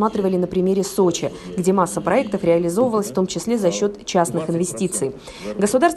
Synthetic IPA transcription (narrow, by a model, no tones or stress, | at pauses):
mat̪ɾʲɪvəlʲɪnəpɾʲɪmʲeɾʲɪsot͡ɕɪɡdʲe̞masːəpɾɐɛk̚t̪əfɾʲɪɐlʲɪzo̞vəvəlˠəsʲft̪o̞mt͡ɕɪsʲlʲe̞zɐɕːo̞t̪t͡ɕasnɨxɪnvʲɪsʲtʲit̪sɨj | ɡəsʊd̪arst̪